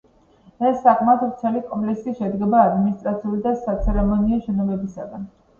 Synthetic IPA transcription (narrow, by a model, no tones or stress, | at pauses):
ɛsːakʰmat̪ɾt̪sʰɛlikʼɔmpʼlɛksiʃɛd̪ɡɛbaːd̪minist̪ʼɾat̪sʰiulid̪asat̪sʰɛɾɛmɔniɔʃɛnɔbɛbisaɡan